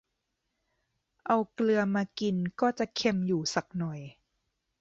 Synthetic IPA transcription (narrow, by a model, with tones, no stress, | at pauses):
ʔa˧wklɯ˧ɐmaː˧ki˧nkɔː˥˩t͡ɕa˨˩kʰe˧mjuː˨˩sa˨˩k̚nɔ˨˩j